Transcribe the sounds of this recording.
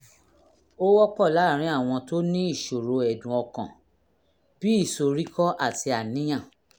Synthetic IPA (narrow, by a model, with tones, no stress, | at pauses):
o˦wɔ˦k͡pɔ˦˨la˨˦˨ɾ̃ĩ˨˦a˦˨w̃ɔ̃˧to˦nĩ˦i˦˨ʃo˨ɾo˨˧ɛ˨dũ˨ɔ˧kã̰˨ | b̥i˨˦i˦˨so˨ɾi˦kɔ˦ʔa˦˨ti˧a˨nĩ˦j̃ã˦˨